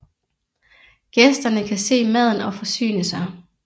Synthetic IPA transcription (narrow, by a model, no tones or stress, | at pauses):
ɡ̥esd̥ɐnəkʰæse̝̰ːmæð̞̰ˠn̩ɒ̽fɒ̽sy̰ːnəsɑ